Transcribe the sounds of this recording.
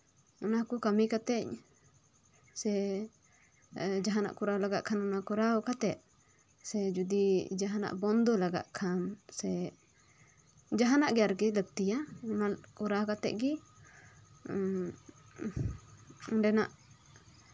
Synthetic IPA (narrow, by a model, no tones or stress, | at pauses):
unakukamikat̪ɛc | sɛ | d͡ʒaɦana̰ʔkuɾalaɡaʔkʰanunakuɾaɔkat̪ɛʔ̪̚ | sɛd͡ʒud̪id͡ʒaɦana̰ʔbɔnd̪ɔlaɡa̰ʔkʰansɛ | d͡ʒaɦanaʔɡɛjaɾɡilək̚t̪ijaunakuɾakat̪ɛ̰ʔɡi | undɛnaʔ